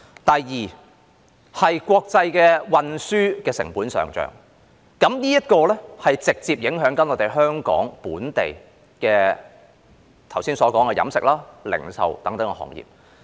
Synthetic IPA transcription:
t̪ɐ˨jjiː˨˩ | hɐ˨jkʷɔː˧k̚t͡sɐ˧jkɛː˧wɐ˧nsyː˥kɛː˧sɪ˨˩ŋpuː˨˥nsœ̰ː˨ŋt͡ʃœ̰ː˨˩ŋ | kɐ˨˥mniː˥jɐ˥t̚kɔː˧lɛ˥hɐ˨jt͡sɪ˨k̚t͡siː˧p̚jɪ˨˥ŋɦœː˨˥ŋkɐ˨˥nɔː˨˧t̪e˨jɦœː˥ŋkɔ̰ː˨˥ŋpuː˨˥nt̪e˨j | kɛː˧ | t̪ʰɐ˨˩wsiː˥nsɔː˨˥kɔː˨˥ŋkɛː˧jɐ̰˨˥msɪ̰˨k̚laː˥lɪ̰˨˩ŋsɐ̰˨wt̪ɐ˨˥ŋt̪ɐ˨˥ŋkɛ˧hɔ̰ː˨˩ŋjḭː˨p̚

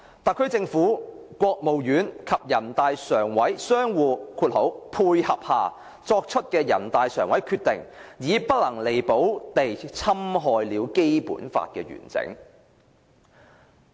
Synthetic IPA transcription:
t̪aː˨˩kʰt͡sɪ˧ŋfuː˨˥kʷɔː˧k̚mo˨wjyː˨˥nkʰɐ˨p̚jɐ˨˩nt̪aː˨jsœː˨˩ŋwɐ˨˥jsœː˥ŋwuː˨˧kʰuː˧t̚ho˨˥wpʰuː˧jhɐ˨p̚haː˨ | t͡sɔː˧k̚t͡ʃʰɵ˥t̚kɛː˧jɐ̰˨˩nt̪aː˨jsœ̰ː˨˩ŋwɐ˨˥jkʰyː˧t̪ɪ̰˨˩ŋjiː˨˧pɐ˥t̚lɐ˨˩ŋle˨˩jpo˨˥wt̪e˨jt͡sʰɐ˥mɦɔː˧jliː˨˧wke˥jpṵː˨˥nfa̰ː˧t̚kɛ̰ː˧ɥy̰ː˨˩nt͡sɪ̰˨˧˥ŋ

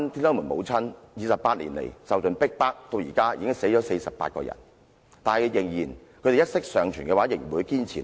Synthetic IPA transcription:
nt̪ʰi˥nɔː˦˥muː˨˩nmo̰˨˧wt͡sʰɐ˥njiː˨˧sɐ˨pːaː˧t̚lḭ˨˩nlḛ˨˩jsɐ˨wt͡sɵ˨npɪ˥k̚paː˥k̚t̪o˧wjiː˨˩kaː˥jḭː˨kɪ˥ŋse˨˥jt͡ʃɔː˨˥se˧jsɐ˨pːa̰ː˧t̚kɔ̰ː˧jɐ̰˨˩n | t̪aː˨nhɐ˨jjɪ˨˩ŋjiː˨˩nkʰɵ˨˧jte˨jɐ˥t̚sɪ˥k̚sœː˨˧ŋt͡ʃʰyː˨˩kɛː˧waː˨˥jɪ˨˩ŋ˨˩wuː˨˧jkiː˥nt͡sʰiː˨˩

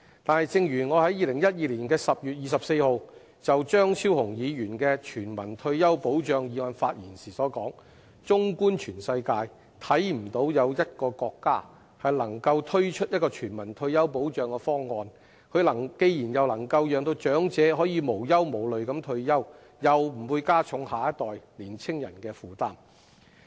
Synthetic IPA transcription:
t̪aː˨nhɐ˨jt͡sɪ˧ŋjyː˨˩nŋɔː˨˧hɐ˨˥jiː˨˧lɪ˨˩ŋjɐ˥t̚jiː˨˧liː˨˩nkɛː˧sɐ˨p̚jyː˨t̚jiː˨˧sɐ˨p̚se˧jho˨˧w | t͡sɐ˨wt͡ʃœː˥ŋsʰiː˥whʊ˨˩ŋjiː˨˧jyː˨˩nkɛː˧t͡ʃʰyː˨˩nmɐ̰˨˩nt̪ʰɵ˧ɥjɐ˥wpo˨˥wt͡ʃœː˨ŋjiː˨˧ŋɔː˧nfaː˧t̚jiː˨˩nsiː˨˩sɔː˨˥kɔː˨˥ŋ | t͡sʊ˥ŋkuː˥nt͡ʃʰyː˨˩nsɐ˧jkaː˧j | t̪ʰɐ˨˥jm̩˨˩t̪o˨˥wjɐ˨˧wjɐ˥t̚kɔː˧kɔː˧kːaː˥ | hɐ˨jlɐ˨˩ŋkɐ˧wt̪ʰɵ˥ɥt͡ʃʰɵ˥t̚jɐ˥t̚kɔː˧t͡ʃʰyː˨˩nmɐ˨˩nt̪ʰɵ˧ɥjɐ˥wpo˨˥wt͡ʃœː˨ŋkɛː˧fɔː˥ŋːɔː˧n | kʰɵ˨˧ɥlɐ˨˩ŋke˧jjiː˨˩njɐ˨wlɐ˨˩ŋkɐ˧wjœː˨˧ŋt̪o˧wt͡ʃœː˨˥ŋt͡sɛː˨˥ɦɔː˨˥jiː˨˧mo˨˩wjɐ˥wmo˨˩wlɵ˨ɥkɐ˨˥mt̪ʰɵ˧ɥjɐ˥w | jɐ˨wm̩˨˩wuː˧jkaː˥t͡sʰʊ˨˥ŋhaː˨˧jɐ˥t̚t̪ɔː˨jliː˨˩nt͡sʰɪ˥ŋjɐ̰˨˩nkɛː˧fuː˨˩t̪aː˥m

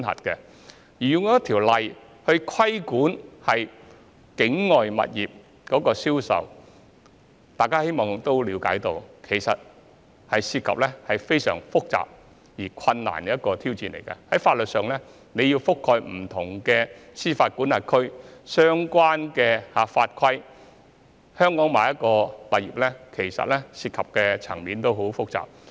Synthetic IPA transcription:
nhɐ̰˨t̚kɛ˧ | jiː˨˩jʊ˨˧ŋɔː˨˦jɐ˥t̪ʰiː˨˩wlɐ˨j | hɵ˧ɥkʰwɐ˥jkuː˨˥nhɐ˨j | kɪ˨˥ŋːɔː˨jmɐ̰˨t̚jiː˨p̚ | kɔː˨˥kɔː˧siː˥wsɐ̰˨w | t̪aː˨jkaː˥he˥jmɔː˨ŋt̪o˥wliː˨˥wka̰ː˨˥jt̪o˧wkʰe˨˩jsɐ˨t̚ | hɐ˨jsiː˧t̚kʰɐ̰˨p̚lɛ˥hɐ˨jfe˥jsœ̰ː˨˩ŋfʊ˥k̚t͡sa̰ː˨p̚ | jiː˨˩kʷʰɐ˧nːa̰ː˨˩n˦jɐ˥t̚kɔː˧t̪ʰiː˥wt͡siː˧nlḛ˨˩jkɐ̰˧hɐ˨˥jfaː˧t̚lɵ˨t̚sœː˨ŋlɛ˥ | ne˨˧jiː˧wfʊ˥kʰːɔː˧jm̩˨˩t̪ʰʊ˨˩ŋkɛː˧siː˥faː˧t̚kuː˨˥naː˨˩tkʰɵ˥ɥsœː˥ŋkʷwaː˥nkɛː˧haː˨˧faː˧t̚kʰwɐ˥j | hœː˥ŋkɔː˨˥ŋmaː˨˩jɐ˥t̚kɔː˧t̪a˨˩jiː˨p̚lɛ˥kʰe˨˩jsɐ̰˨t̚lɛ˥siː˧t̚kʰɐ˨p̚kɛ˧t͡sʰɐ˨˩ŋmiː˨˥nt̪o˥wɦo˨˥wfʊ˥k̚t͡sa̰ː˨p̚

